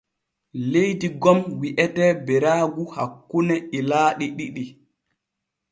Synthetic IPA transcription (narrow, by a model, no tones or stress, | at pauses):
lejdiɡɔmwiʔɛtɛbɛɾaːɡuha̰kːunɛʔilaːɗiɗiɗi